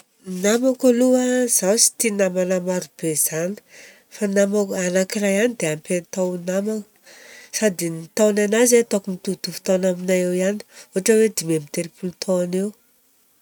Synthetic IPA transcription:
namakaluaz̥awsi̥t̪inamanamaɾub̥ez̥ani̥ | fanamakanakirajanid̪eampent̪awnamak | sad̪init̪awnanazet̪okumit̪ut̪ufu̥t̪anaminajewiani̥uɦaʈ͡ʂəwed̪imemit̪eɾipulut̪ʰoanew

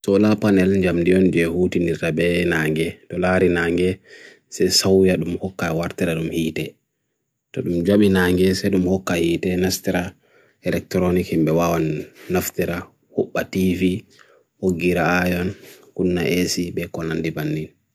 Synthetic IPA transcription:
sɔlapanɛlɲd͡ʒamdijɔnd͡ʒɛhutindiɾtabɛnaːŋɡɛtɔlaɾinaːŋɡɛ | sɛsawijaɗumhɔkːawaɾtiɾaɗumhiːtɛ | tɔɗumd͡ʒaɓinaŋɡɛsɛɗumhɔkːahiːtɛnastiɾa | ɛlɛk̚tɾonikhimbɛwawanːaftiɾa | hɔɓːativi | hoɡːiɾaajɔnkunːaʔesiɓɛkɔnandibanːin

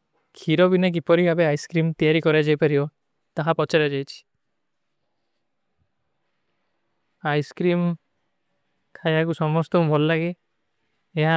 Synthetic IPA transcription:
kʰiɾɔbinak̬ipɔɾiabeajskɾimt̪ijaɾikɔɾad͡ʒajpaɾiɔ | t̪aɦapɔt͡ʃaɾad͡ʒajt͡ʃʰi̥ | ajskɾim | kʰajakusɔmɔst̪ɔmũbʱɔlːaɡeː | ɦa

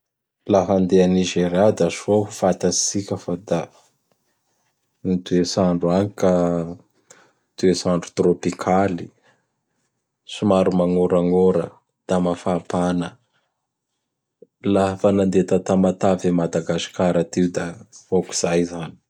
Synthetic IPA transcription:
laɦand̪eaniʒeɾjad̪aʃoɦufat̪asikʲəfad̪a | nit̪uesaɳɖ͡ʐuanika | t̪uesaɳɖ͡ʐu̥t̪ropikʰali | sumaɾumaŋoɾaŋoɾə̰ | d̪̥amafapanə | lafanand̪et̪at̪amat̪avemad̪aɡasi̥kaɾat̪iwd̪aoki̥z̥ajzani̥

